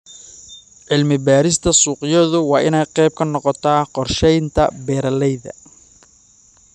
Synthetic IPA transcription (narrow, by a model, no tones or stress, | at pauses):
ʕɪlmɪbaːɾɪst̪ʰɐsuːqɪjɔðʊwɑːʔɪnɛjqɛjb̚kʰɐnɔqɔt̪ʰaːqɔrʃɛjnt̪ʰɐ̰bɛːɾɐlɛjðɐ̰